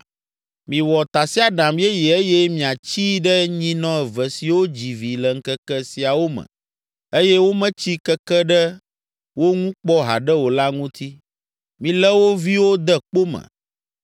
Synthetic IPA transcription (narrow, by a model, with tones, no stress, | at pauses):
mĩ˨wɔ˨t̪a˨si˦a˨ɖã˨m˦ɛ˦ji˨e˦jɛ˦mĩ˨a˨t͡ɕi˦ɖə˦ɲĩ˦nɔ̃˦ɛ˨və˨si˨wo˦d͡ʑi˨vi˨lə˨ŋ̩˦kə˦kɛ˦si˨a˨wo˦mə̰̃˨ | e˦jɛ˦wo˦mə̃˦t͡ɕi˦kə˦kɛ˦ɖə˦ | wo˦ŋũ˦k͡pɔ˦ɦa̰˨ɖə˦wo˨la˦ŋũ˦t̪ʰi˦ | mĩ˨lɛ˦wo˦vi˦wo˦d̪ə˦k͡po˦mə̰̃˨